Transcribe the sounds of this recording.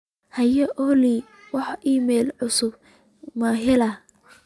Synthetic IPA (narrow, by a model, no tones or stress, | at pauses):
hɐjɐʔɔli | wɑħiːmɛjlʕʊsʊb | mɐːɦɪlɐ